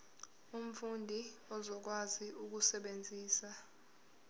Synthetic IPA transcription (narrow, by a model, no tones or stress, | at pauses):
um̩fundʱiɔzɔk̬waziʔuk̬usɛɓend͡zʱiːsa